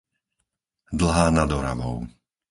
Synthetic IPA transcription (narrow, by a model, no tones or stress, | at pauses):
d̪l̩ˠɦaːnad̪ɔɾaʋɔʊ